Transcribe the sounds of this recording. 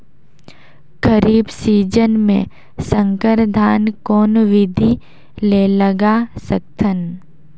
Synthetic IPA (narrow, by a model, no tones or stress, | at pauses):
ɡəɾiːbsiːd͡ʒənmḛ̃ | sə̃ŋkəɾd̪ʱaːnkɔːnʋɪd̪ʱi | leləɡasək̚t̪ʰən